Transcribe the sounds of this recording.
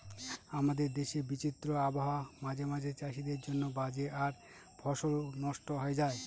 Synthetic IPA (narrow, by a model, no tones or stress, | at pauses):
amad̪eɾd̪eʃebit͡ɕit̪ːɾoaboɦamad͡ʑemad͡ʑʱet͡ɕaʃid̪eɾd͡ʑonːobad͡ʑeʔaɾ | bʱɔʃoɾonɔʃʈoɦɔed͡ʑae